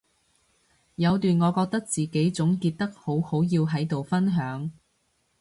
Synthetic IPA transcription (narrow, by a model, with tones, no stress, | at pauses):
jɐ˨˧wt̪yː˨nŋɔː˨˧kɔː˧k̚t̪ɐ˥k̚t͡siː˨ke˨˥jt͡sʊ˨˥ŋkiː˧t̚t̪ɐ˥k̚ho˨˥who˨˥wjiː˧wɦɐ˨˥jt̪o˨wfɐ˥nɦœː˨˥ŋ